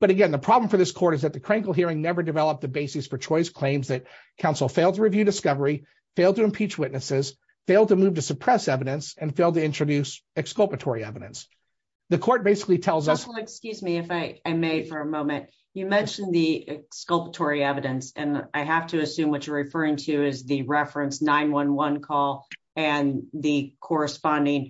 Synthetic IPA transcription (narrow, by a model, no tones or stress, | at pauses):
b̥ʌɾɨɡɛ̃nðəpʰɹ̥ɑbl̃ɱ̩fə˞ðɪskʰɔɹɾɨzðɨt̪̚ðɨkʰɹ̥ẽɪ̃nkl̩ˠɦiɪɹɪ̃ŋnɛvə˞dɨvɛlˠəp̪̚ðɨbeɪsɨsfə˞t͡ʃʰɔɪskʰl̥ẽɪ̃mzðɨt̚ | kʰãʊ̃nsl̩ˠfeɪlˠdtʰəɹivjʉdɨskʌvə˞i | feɪlˠd̚tʰɨɨ̃mpʰit͡ʃwɪtⁿnɨsɪz̥ | feɪlˠd̚tɨmʉv̥tɨsɨpʰɹ̥ɛsɛvɨɾɨ̃nsɨ̃nfeɪlˠdtɨɪ̃nt͡ʃɹ̥ɨdʉsɨkskʌlˠpɨtʰɔɹiɛvɨɾɨ̃ns | ðɨkʰɔɹt̚b̥eɪsɨ̥klitʰɛlˠzʌsl̩ˠɨkskjʉzmiɨfaɪaɪmeɪfə˞ɨmõʊ̃mɨ̃nʔ | ɨmɛ̃nʃɨ̃n̩ðiɪkskʌlˠpətʰɔɹiɛvɨɾɨ̃nsɨ̰̃naɪɦæftʰɨːsʉ̃mwʌt͡ʃə˞ɹɨfɜ˞ɪ̃ŋtʰɨɪzðɨɹɛfɹɨ̃nsnãɪ̃nwʌ̃nwʌ̃nkʰɔlˠ | ɨ̃nðɨkʰɔɹɨspɑ̃ndɪ̃ŋ